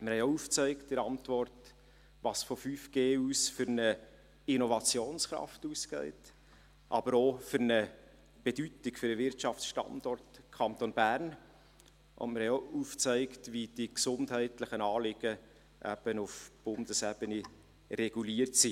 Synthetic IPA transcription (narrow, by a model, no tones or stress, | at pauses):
məɾhɛjouft͡sœɪktɪɾɑntvɔrt | ʋɑsfɔfyfɡ̥eːuːsfʏɾnə | inɔvɑt͡sjoːnsχɾɑ̰ftuːskɛ̰ɪt | ʔɑ̰b̥əɾofʏɾnə | b̥edytɪkfʏɾəvɪɾtʃɑfsʃtɑ̰ndɔrtkʰɑnt̪onbæːrn | ʔʊ̰nməɾhɛjouft͡sœɪktvid̥iksʊnthɛɪtlɪχənɑːlɪɡ̥ə | ʔæ̰b̥ənufb̥ʊndəsɛb̥əni | rɛɡ̥uliərtsi